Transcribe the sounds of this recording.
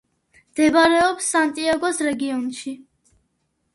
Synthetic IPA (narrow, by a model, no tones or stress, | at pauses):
md̪̥ɛbaɾɛɔpsːant̪ʼiaɡɔsɾɛɡiɔnʃi